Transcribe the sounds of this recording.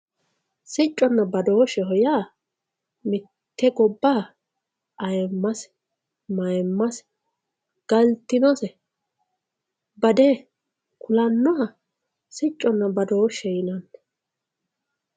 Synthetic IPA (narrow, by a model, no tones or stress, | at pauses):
sɪt͡ʃʼːɔnːɐbɐd̪oːʃɛɦɔjaː | mɪ | t̪ʰːɛɡɔbːaː | ʔɐjmːɐs | mɐjmːɐs | ɡ̥ɐlt̪ːɪnɔsɛ | bɐd̪eː | kʊlɐnːɔhɐ | sɪt͡ʃʼːɔnːɐbɐd̪oːʃɛjɪnɐnː